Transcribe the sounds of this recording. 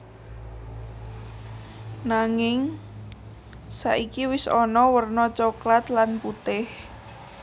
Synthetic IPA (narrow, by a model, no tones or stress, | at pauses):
naŋɪŋ | sa̰ʔikiwɪsɔnɔwərnɔt͡ʃoklat̪lanput̪ɪh